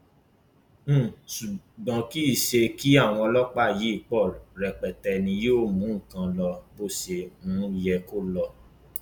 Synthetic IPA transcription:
ʃu˨ | ɡ͡bã˨˧ki˦i˦˨ʃe˧ki˦a˦˨w̃ɔ̃˧lɔ˦k͡pa˦˨ji˨˦i˦˨k͡pɔ˦˨lɾɛ˧k͡pɛ˨tɛ˧nĩ˧joː˦˨mũ˨˦ŋ̩˦˨kã˧lɔ˧bo˦se˧mũː˨˦jɛ˧ko˦lɔ˧

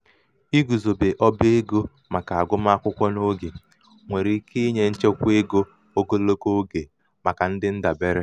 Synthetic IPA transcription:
i˦ɡu˨zo˨be˨ʔɔ˦be˦ɡo˦ | ma˨ka˨a˨ɡʷʊ˦ma˦a˦kʷʊ˦kʷɔ˦no˦ɡe˨ | ŋʷe˨ɾi˨˦kʰe˦ɲe˦n̩˦t͡ʃe˦kʷe˦ɡo˦ | o˦ɡo˦lo˦ko˦ɡe˨ | ma˨ka˨n̩˦dɪ˦n̩˦da˨be˦ɾɪ˦

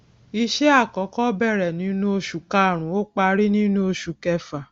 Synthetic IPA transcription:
i˧ʃe˦a˦˨kɔ˨˦kɔ˦bɛ˦˨ɾɛ˨nĩ˨˦nũ˦o˧ʃu˨ka˦˨ɾ̃ũ˨˦o˦k͡pa˧ɾi˦nĩ˦nũ˦o˧ʃu˨kɛ˧fa˨

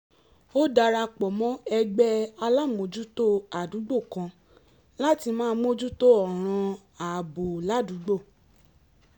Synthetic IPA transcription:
o˦da˧ɾa˧k͡pɔ˨mɔ̃˦ɛ˧ɡ͡bɛ˦a˧la˦˨mõ˨d͡ʒu˦to˦a˨du˨˦ɡ͡bo˦˨kã˧ | la˦ti˧mãː˦mo˦d͡ʒu˦to˦ɔ˨ɾ̃ã˧ | a˨bo˨la˦du˨˦ɡ͡bo˦˨

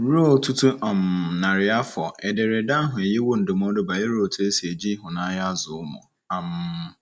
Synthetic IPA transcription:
ɾo˦˨ltʰu˦tʰu˦ʔã˨m˨nã˨ɾɪ˨a˦fɔ˨ɛ˨dɪ˨ɾɪ˨da˦ɦʊ̃˨e˨jɛ˦wo˦n̩˨do˨mɔ̃˦dʊ˦ba˨jɛ˦ɾo˦˨ltʰʊ˦e˦se˨d͡ʑi˦ɦʊ̃˨nã˨˦ja˦zʊ˨˦mʊ̰̃˨ | ã˨m˨

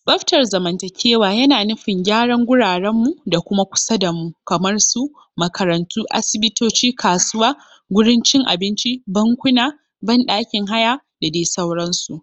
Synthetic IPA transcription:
bɐ˦ɸtɐ˨rzɐ˨mɐ˨ntɐ˨kʲʰeː˦waː˨jɐ˦naː˨nʊ˦ɸɪ˨ŋɡʲaː˦ɽɐ˦ŋɡʷʊ˦ɽaː˨ɽɛ˦mːu˨da˨kʷʊ˦ma˦kʷʊ̥˦sɐ˦da˨mu˨kɐ˨mɐ˦rsu˦ | mɐ˨kʰɐ˨ɾɐ˨ntʰuː˦ʔa̰˦sɪ˨bɪ˦toː˦t͡ʃiː˦kʰaː˨sʊ˦waː˦ | ɡʷʊ˦ɽɪ˦nt͡ʃɪ˦ŋʔa̰˨bɪ˦nt͡ʃi˦bɐ˦ŋkʷʊ˦naː˨ | bɐ˦nɗaː˦kʲɪ˨ŋɦa˦ja˦ | da˨deː˦sɐ˦wɽɐ˦nsu˨ʔ

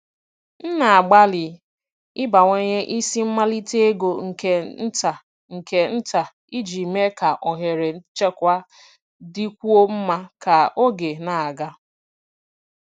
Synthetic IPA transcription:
n̩˦na˨a˨ɡ͡ba˦lɪ˨ | ɪ˦ba˨ŋʷe˦ɲe˦ʔi˦si˦m̩˦ma˦li˦te˦e˦ɡo˨ŋ̩˨ke˦n̩˦ta˨ | ŋ̩˨ke˨n̩˦ta˨ | i˦d͡ʒi˨me˦ka˨ʔɔ˨ɦe˨ɾe˨n̩˦t͡ʃe˦kʷa˦ | di˦kʷu˦o˦m̩˦ma˦ka˨o˦ɡe˨na˨a˨ɡa˦

